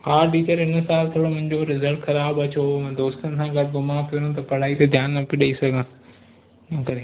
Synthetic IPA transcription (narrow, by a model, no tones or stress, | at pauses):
aːɾʈiːt͡ɕəɾɪnə̆saːlt̪ʰɐɽomʊ̃ɦɪ̃ɲd͡ʑoɾɪzəlʈxɐɾaːbɐt͡ɕom̃ːd̪oːst̪ənɪ̆sãːɡɐd̪ɡʊmaːpijonõt̪ɐpɐɽ̤aːit̪ɐd̪ʱjaːnːɐpiɗɐisɐɡʱã | kɐɾe